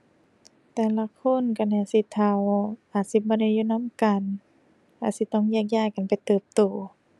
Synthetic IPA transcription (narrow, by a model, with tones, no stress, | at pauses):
t̪ɛː˨˧˩la˧˨kʰo˧˥˨nka˧na˧˩si˧˦t̪ʰa˧wʔaː˨˩t̪̚si˧˦bɔː˧˦da˧˩juː˧˨na˧˥˨mka˨n | ka˧˩si˧˦t̪ɔ˧˥˨ŋjaː˧k̚jaː˧˨kka˨npa˨jt̪ɤː˧˩p̚t̪uː˨˩˦